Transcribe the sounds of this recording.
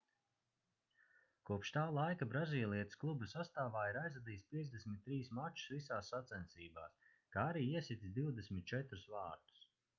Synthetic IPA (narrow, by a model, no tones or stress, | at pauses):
kuɔpʃt̪aːlˠajkabɾaziːlˠiɛt̪ɨ̥sklˠubusast̪aːvaːiɾajzvad̪iːspʲiɛzd̪esʲmʲit̪̚ːɾiːsmat͡ʃu̥svisaːsːat̪sɛnsiːba̰ːs | kaːaɾiːiɛsit̪isʲd̪iwd̪esmʲit̪̚t͡ʃɛt̪ɾusvaːɾd̪u̥s